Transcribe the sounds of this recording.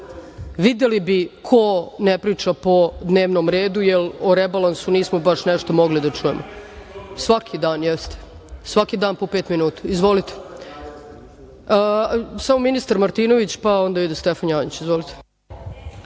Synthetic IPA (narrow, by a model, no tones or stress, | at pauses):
ʋid̪elibikʰonepɾiːt͡ʂapo̞d̪ne̞ːʋnomɾeːd̪ujeloɾebalˠansuniːsmobaʃneʃt̪omo̞ɡlid̪at͡ʂuje̞̰mʔo | sʋakʰid̪aːnjɛst̪e̥ | sʋakid̪aːnpo̞peːt̪minuːt̪ḁizʋolit̪e̥ | əsamominist̪aɾmaɾt̪iːno̞ʋit͡ɕpao̞nd̪aid̪est̪efanjaːnit͡ɕizʋolit̪e̥